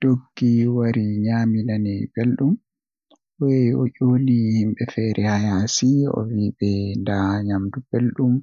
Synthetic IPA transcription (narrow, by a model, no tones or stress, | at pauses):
d̥oɡːiwaɾiɲaːminanɛb̥elɗum | wɛɔʔolihimɓɛfɛːɾʔɛhajasiɔ̰wiɓɛndaɲamdub̥elɗum